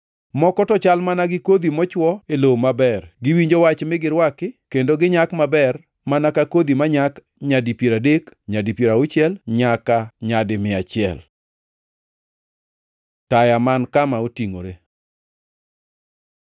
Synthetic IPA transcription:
mɔkɔtɔt͡ʃalmanaɡɪkod̪imɔt͡ʃwɔelowmabɛrɡɪwiɲd͡ʒowat͡ʃmɪɡɪɾwakɪkendoɡɪɲakmabɛr | manakakod̪imaɲak | ɲadipjeɾadekɲadipjeɾaʊt͡ʃɪɛlɲakaɲadɪmɪat͡ʃɪɛ̰l | tajamankamaotiŋo̰ɾe

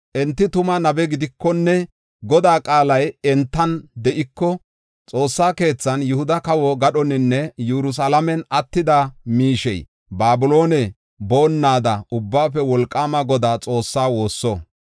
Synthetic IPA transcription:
ʔɛnt̪ːɪt̪ʊmɐnɐbɛɡɪd̪ɪkːɔnːɛ | ɡɔd̪aːkʼaːlɐjɛnt̪ːɐnd̪ɛʔɪkːɔ | t͡sʼo̞ːsːaːke̞ːt͡sːɐnjʊhʊd̪ɐkɐwɔɡɐɗɔnɪnːɛjɛɾʊs̬ɐlɐmɛnɐt̪ːɪd̪ɐmiːʃɛj | baːbʊlo̞ːnɛ | bo̞ːnːaːd̪ɐʊbːaːfɛwɔlkʼːaːmɐɡɔd̪aːt͡sʼo̞ːsːaːwo̞ːsːɔ

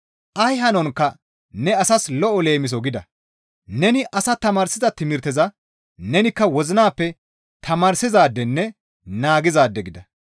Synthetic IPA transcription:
ʔɐjɦɐnɔnkːɐ | nɛɐsɐslɔʔɔle̞ːmɪs̬ɔɡɪd̪ɐ | nɛnɪʔɐsɐt̪ɐmaːɾsɪzɐt̪ɪmɪɾt̪ɛzɐ | nɛnɪkːɐwɔzɪnaːpːɛ | t̪ɐmaːɾsɪzaːd̪ːɛnːɛ | naːɡɪzaːd̪ːɛɡɪd̪ɐ

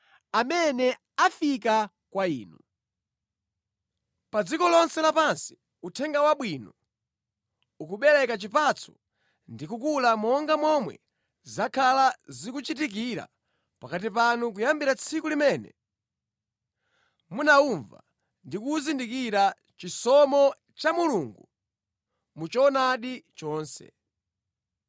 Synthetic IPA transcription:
amɛnɛ | afik̬a | kwaḭːnu | pad͡zikɔlɔnsɛlapansi̥ | utʰɛŋɡawaɓwiːnɔ | ukuɓɛɾɛkat͡ʃipat͡sʰɔ̥̰ | ndikukulamɔŋɡamɔmwɛ̰ | zakʰalazikut͡ʃitik̬iɾa̰ | pakatipanukujambiɾat͡sʰikulimɛːnɛ̰ | munauɱva̰ | ndikuzindikiɾa | t͡ʃisɔmɔ | t͡ʃamuluŋɡu | mut͡ʃɔnaɗit͡ʃɔːnsɛ̰

